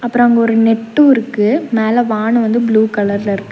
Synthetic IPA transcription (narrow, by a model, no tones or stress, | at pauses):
ɐpːɯɾõɐŋɡɐɔɾɯnɛʈːuɪɾɯkːɯmeːlɐʋaːɳɯʋɐnd̪ɯbluːkɐlɐɾlɐɪɾɯkːɯ